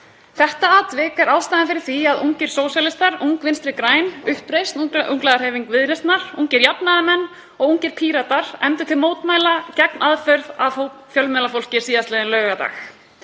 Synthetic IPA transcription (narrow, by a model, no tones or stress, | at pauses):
θɛht̪aaːt̪vɪːkɛɾawst̪aːjɪnfɪɾɪɾ̥θiaðuŋcɪɾ̥soːwsjalɪst̪aɾuŋkvɪnst̪ɾɪkɾaːjnʏhpɾejst̪nʔuŋklɛðaɾheːviŋkvɪðɾɛst̪naɾ̥uŋcɪɾjapnaðamɛnː | ɔɣuŋcɪɾ̥pʰiːɾat̪aɾ̥ɛmt̪ʏ̥t̪ʰɪlmoːwt̪maːjlacɛknʔaðfœɾðaowfjœlmɛlafowl̥cɪɾ̥siːðaslɛːðɪnlœːɣat̪a̰ːx